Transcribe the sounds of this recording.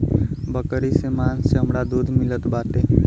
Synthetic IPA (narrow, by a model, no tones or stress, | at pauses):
bəkəɾisemaːnseɦəmɽad̪uːd̪ʱmɪlət̪baːt̪eː